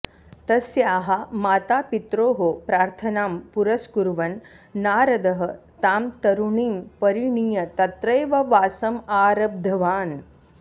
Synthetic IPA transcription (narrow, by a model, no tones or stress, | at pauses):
t̪ɐsjaːɦɐmaːt̪aːpit̪ɾoːɦopɾaːɾt̪ʰɐnaːmpuɾɐskuɾʋɐnː | aːɾɐd̪ɐɦɐ̆t̪aːmt̪ɐɾuɳiːmpɐɾiɳiːjɐt̪ɐt̪ɾɐjʋɐʋaːsɐmaːɾɐb̚d̪ʱɐʋaːn